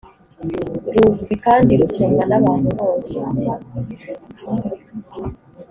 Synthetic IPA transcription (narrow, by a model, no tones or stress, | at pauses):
ɾuzɡwikaːndiɾusuːŋɡanaβaːnuβoːnsea